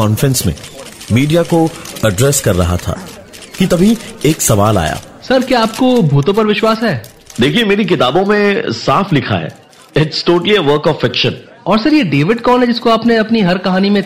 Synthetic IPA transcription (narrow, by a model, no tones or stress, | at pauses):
ɔːnfɾɛ̃nsmḛ̃miːɖijakoɐɖɾɛːskɐɾːɐɦa̰t̪ʰa̰ː | kit̪ɐbʱieːksɐʋaːla̰ːja̰ːsɐɾkjaaːp̚kobʱuːt̪õp̬ɐɾʋɪʃwaːsɦɛː | d̪eːkʰiemeːɾik̬ɪt̪aːbõmẽsaːflɪkʰa̰ɦɛ̰ː | ɪʈsʈoːʈəliəʋəɾkɔfɪkʃə̃n | ɔːɾsɐɾjeɖeːʋɪɖkɔːlɦɛd͡ʒɪskoaːpneɐpniɦɐɾkɐɦaːnimẽ